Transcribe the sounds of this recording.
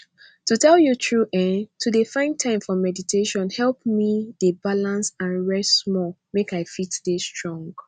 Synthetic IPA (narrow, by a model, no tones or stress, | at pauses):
tutʰɛljutʰɹuʔɛ̃ntʰudefãɪ̃ntʰãɪ̃mfɔmɛditʰeʃɔ̃nhɛlˠp̚midebalãnsãnɹɛstmɔ | mekaɪfitdestʰɹɔ̃ŋɡ